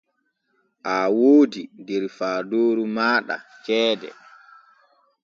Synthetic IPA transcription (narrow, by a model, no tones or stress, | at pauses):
ʔawoːdidɛɾfaːdoːɾumaːɗa̰t͡ʃɛːdɛ̰